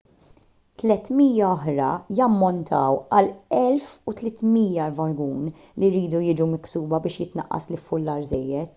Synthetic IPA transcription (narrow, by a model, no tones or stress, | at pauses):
t̪lɛt̪miːjɐɔħɾɐjɐmːɔnt̪ʰɐwɐlɛlfut̪lɛt̪miːjːɐɾvɐɾɡuːn | liɾiːd̪ujɪːd͡ʒumɪksuːbɐbɪːʃjɪt̪nɐ̰ʔːɐ̰slɪfːʊlːɐːɾzɛjːɛt̪